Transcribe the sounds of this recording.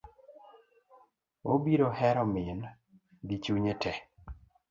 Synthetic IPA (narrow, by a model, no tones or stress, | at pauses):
obiɾohɛɾɔmɪn | dit͡ʃuɲetʰɛ